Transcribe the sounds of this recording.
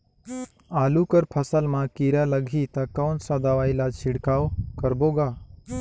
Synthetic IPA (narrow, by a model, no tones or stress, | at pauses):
aːluːkəɾpʰəsəlmãkiːɾaːləɡʱiːt̪aːkaːnsad̪aʋaːilat͡ʃʰɪɽkaːʋkəɾboːɡaː